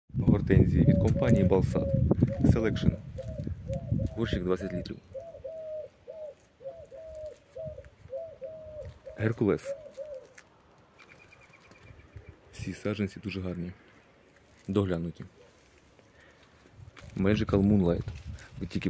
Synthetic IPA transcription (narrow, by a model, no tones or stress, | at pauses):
ɦɔrt̪ɛnʲzʲijiʋʲid̪̚kɔmpanʲijibɐlˠsɑ̰d̪selˠɛkʂɔn | bɔrʃiɡd̪ʋat͡sʲːɐtʲlʲit̪ɾʲḭw | ɦɛrkulˠɛs | sʲisɑʒɛnʲsʲid̪uʐɛɦɑrnʲi | d̪ɔɦlʲanʊtʲi | mɛd͡ʒɪkɐlˠmunlˠajt̪ʋɪtʲːikʲɪ